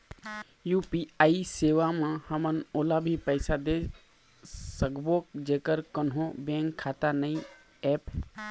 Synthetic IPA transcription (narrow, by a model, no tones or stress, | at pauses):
juːpiaːiseːʋamãhəmənoːlabʱipəɪsad̪e | səkboːk̚d͡ʒeːkəɾkənɦõbẽːŋkʰːaːt̪anəĩ | ɛːp